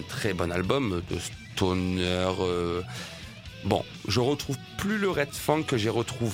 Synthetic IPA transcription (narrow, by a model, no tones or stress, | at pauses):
t̪χɛbɔnalbɔmd̪ə̰s | t̪ʰonœʁø | bɔ̰̃ | ʒəʁət̪χuvplyləʁɛt̪fɑ̃kəʒeʁət̪χuv